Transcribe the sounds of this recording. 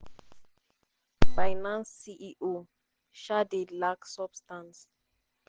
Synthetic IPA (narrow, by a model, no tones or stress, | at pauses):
bajnãnsːiʔiʔo | ʃadedlaksɔbstãns